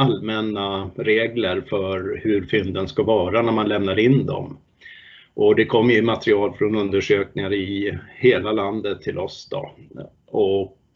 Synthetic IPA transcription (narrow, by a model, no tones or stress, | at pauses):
almɛnːaɾeːɡləɾfœɾhɵɾfʏnd̪ənskavɑːɾanæɾmanlɛmnad̪ɪnd̪ɔ̰m | ʔɔd̪ɛkʰɔmːjɵmat̪ɾɪɑːlfɾɔnɵnd̪əʂøːknɪŋaɾɪheːlaland̪ət̪ʰːɪlʔɔsd̪ɔ̰ | ɔk